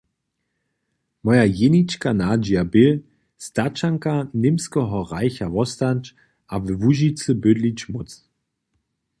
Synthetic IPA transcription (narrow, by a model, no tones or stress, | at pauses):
mɔjajenit͡ʃkanaːd͡ʒiabɪl | stat͡ʃaŋkanɪmskəɦɔʁaɪçavɔstant͡ʃ | ʔavəvuʒit͡səbødlit͡ʃmʊt͡s